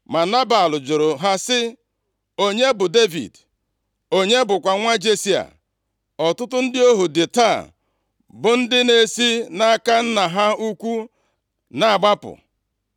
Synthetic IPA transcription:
ma˨na˦ba˨lʊ˨d͡ʒʊ˨ɾʊ˨ɦa˦sɪ˦ | o˦ɲe˦bʊ˨de˦vḭ˨d | o˦ɲe˦bʊ˨kʷa˨ŋʷa˦d͡ʒe˦si˦a̰˨ | ɔ˨tʊ˦tʊ˦n̩˦dɪ˦o˦ɦu˨dɪ˨ta˦˨ | bʊ˨n̩˦dɪ˦ne˦si˦na˦ka˦n̩˦na˨ɦa˦u˦kʷu˦ | na˨a˨ɡ͡ba˦pʊ̰˨

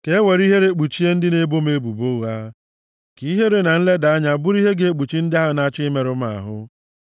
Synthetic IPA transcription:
ke˨˦we˨ɾi˦ɦe˦ɾe˦k͡pu˨t͡ʃi˦e˦n̩˦dɪ˦ne˦bo˦me˦bu˨bo˦ɣa˦ | ki˦ɦe˦ɾe˦na˨n̩˦le˦da˨a˦ɲa˨bʊ˦ɾi˦ɦe˦ɡe˦e˦k͡pu˨t͡ʃi˦n̩˦dɪ˦a˦a˦na˦t͡ʃɪ˦me˨ɾʊ˦m˦a̰˨ɦʊ˦

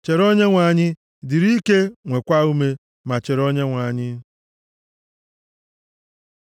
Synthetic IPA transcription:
t͡ʃe˨ɾo˦ɲe˦ŋʷa˨ɲɪ˦ | di˨ɾi˦ke˦ŋʷe˨kʷa˦u˦me˦ | ma˨t͡ʃe˨ɾo˦ɲe˦ŋʷa˨ɲɪ˦

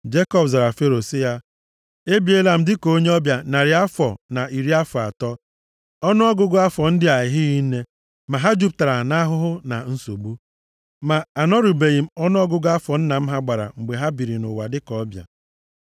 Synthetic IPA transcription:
d͡ʒe˦kɔ˦pza˨ɾa˨fe˦ɾo˨si˦ja˦ | e˦bi˦e˦la˨m̩˦dɪ˦ko˦ɲe˦ɔ˦bja˨na˨ɾɪ˨a˦fɔ˨na˨i˨ɾi˦a˦fɔ˨a˨tɔ˦ | ɔ˦nʊ˦ɔ˦ɡʊ˦ɡʊ˦a˦fɔ˨n̩˦dɪ˦a˨jɪ˨ɦɪ˦ɣi˦ne˦ | ma˨ɦa˦d͡ʒu˦p̚ta˨ɾa˨na˦ɦʊ˦ɦʊ˦na˨n̩˦so̰˨ɡ͡bu˦ | ma˨a˨nɔ˦ɾu˨be˨ɣi˨m̩˦ɔ˦nʊ˦ɔ˦ɡʊ˦ɡʊ˦a˦fɔ˨n̩˦na˨m̩˦ɦa˦ɡ͡ba˨ɾa̰˨ŋ͡m̩˨ɡ͡be˨ɦa˦bi˨ɾi˨nʊ̰˨wa˨dɪ˦kɔ˦bja̰˨

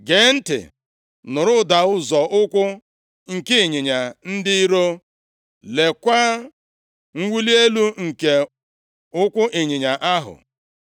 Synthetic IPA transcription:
ɡe˨˦n̩˦tɪ̰˨ | nʊ˨ɾʊ˦da˨ʊ˦zɔ˨ʔʊ˦kʷʊ˦ | ŋ̩˨ke˦i˨ɲɪ˨ɲa˨n̩˦dɪ˦i˦ɾo˦ | le˨kʷa˦ | ŋ̩˦wi˦li˦e˦lu˦ŋ̩˨ke˨ | ʊ˦kʷʊ˦ʔɪ˨ɲɪ˨ɲa˨ʔa˦ɦʊ̰˨

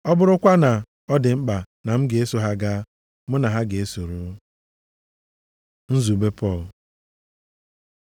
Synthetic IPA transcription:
ɔ˦bʊ˦ɾʊ˦kʷa˦na˨ | ɔ˦dɪ˨ŋ͡m̩˦k͡pa˨ | na˨m̩˦ɡe˨e˦so˨ɦa˦ɡa˦ | mʊ˦na˨ɦa˦ɡe˨e˦so˨ɾu˨˦ | n̩˦zu˨be˦pʰɔ˦˨l

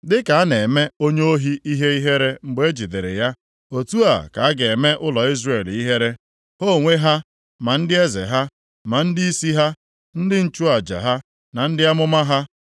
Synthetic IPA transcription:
dɪ˦ka˨a˦ne˨me˦o˦ɲe˦o˦ɦi˦i˦ɦe˦i˦ɦe˦ɾe˦ŋ͡m̩˨ɡ͡be˦d͡ʒi˨de˨ɾḛ˨ja˦ | o˨tu˦a̰˨ka̰˨a˦ɡe˨me˦ʔʊ˦lɔ˨i˦zre˨li˦ɦe˦ɾe˦ | ho˦˨ŋʷe˦ɦa˦ | ma˨n̩˦dɪ˦e˦zḛ˨ɦa˦ | ma˨n̩˦dɪ˦i˦si˦ɦa˦ | n̩˦dɪ˦n̩˦t͡ʃu˦a˨d͡ʒa̰˨ɦa˦ | na˨n̩˦dɪ˦a˦mʊ˦ma˦ɦa˦

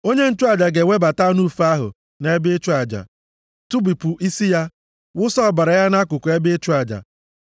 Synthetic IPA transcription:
o˦ɲe˦n̩˦t͡ʃu˦a˨d͡ʒa˨ɡe˨wʷe˦ba˨ta˦nu˦˨fa˦ɦʊ̰˨ | ne˦e˦be˦t͡ʃu˦a˨d͡ʒa̰˨ | tu˦bi˨pʊ˨ʔi˦si˦ja˦ | wʊ˦sɔ˦˨ba˨ɾa˨ja˦na˦kʊ˨kʊ˨e˦be˦e˦t͡ʃu˦a˨d͡ʒa̰˨

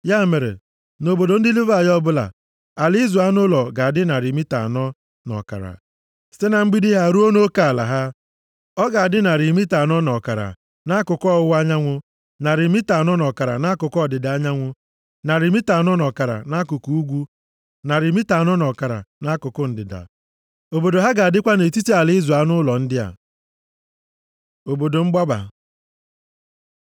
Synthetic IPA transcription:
ja˦˨me˨ɾḛ˨ | no˨bo˨do˨n̩˦di˦li˦va˨jɔ˦bʊ˦la̰˨ | a˨li˦i˦zu˨a˦nʊ˦lɔ˨ɡa˨a˨dɪ˦na˨ɾi˨mi˦ta̰˨nɔ˦ | nɔ̰˨ka̰˨ɾa̰˨ | sɪ˦na˨m̩˦ɡ͡bi˦di˦ɦa˦˨ɾu˦o˦no˦ka˨a˨la̰˨ɦa˦ | ɔ˦ɡa˨a˨dɪ˦na˨ɾi˨mi˦ta˨nɔ˦nɔ˨ka˨ɾa̰˨ | na˦kʊ˨kɔ˦˨ʊ˦wa˦ɲa˦ŋʷʊ˦ | na˨ɾi˨mi˦ta˨n˦ɔ˦nɔ˨ka˨ɾa̰˨na˦kʊ˨kɔ˦˨dɪ˨da˨a˦ɲa˦ŋʷʊ˦ | na˨ɾi˨mi˦ta˨n˦ɔ˦nɔ˨ka˨ɾa̰˨na˦kʊ˨ku˦u˦ɡʷu˦ | na˨ɾi˨mi˦ta˨n˦ɔ˦nɔ˨ka˨ɾa̰˨na˦kʊ˨kʊ˦n̩˨dɪ˨da̰˨ | o˨bo˨do˨ɦa˦ɡa˨a˨dɪ˦kʷa˦ne˨ti˦ti˦a˨lɪ˦ɪ˦zu˨a˦nʊ˦lɔ˨n̩˦dɪ˦a̰˨ | o˨bo˨do˨ŋ͡m̩˦ɡ͡ba˦ba̰˨

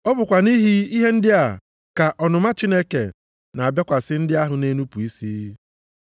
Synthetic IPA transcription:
ɔ˦bʊ˨kʷa˨ni˦ɦi˦i˦ɦe˦n̩˦dɪ˦a˨ | ka˨ʔɔ˨nʊ˨ma˦t͡ʃi˦ne˦ke˨ | na˨a˨bja˦kʷa˨sɪ˦n̩˦dɪ˦a˦ɦʊ˨ne˦nu˦pu˨i˦si˦

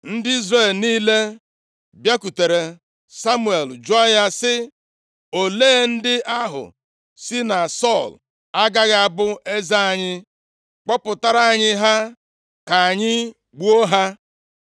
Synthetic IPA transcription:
n̩˦dɪ˦i˦zre˦˨lniː˦le˦ | bja˦ku˨te˨ɾe˨ | sa˦mu˦˨e˨ld͡ʒɔ˦a˦ja˦sɪ˦ | o˨le˦˨n̩˦dɪ˦ʔa˦ɦʊ̰˨ | si˦na˨sɔ˦˨l | a˦ɡa˦ɣa˨a˨bʊ˦e˦za˦a˨ɲɪ˦ | k͡pɔ˦pʊ˨ta˦ɾa˨a˦˨ɲɪ˦ɦa˦ | ka˨a˨ɲɪ˦ | ɡ͡bu˦o˦ɦa˦

